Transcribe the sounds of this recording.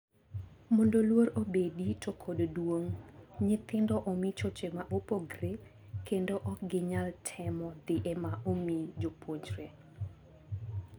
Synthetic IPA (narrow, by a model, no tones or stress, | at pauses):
mɔndolwoɾobeditokʰoddwoŋɲɪt̪ɪndɔʔomit͡ʃot͡ʃemaʔopoɡre | kendoʔɔk̚ɡɪɲaltʰɛmɔd̪ɪʔemaʔomid͡ʒopʰwoɲt͡ʃɾe